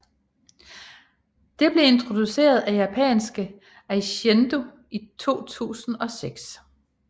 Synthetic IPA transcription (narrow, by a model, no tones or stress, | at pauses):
d̥e̝b̥le̝e̝nt͡sʰʁo̝d̥use̝̰ːɐð̞ˠæjæpʰɛ̰nsɡ̥ə | æɕend̥o̝ | it͡sʰo̝̰ːt͡sʰṵːsn̩ɒ̽seɡ̥s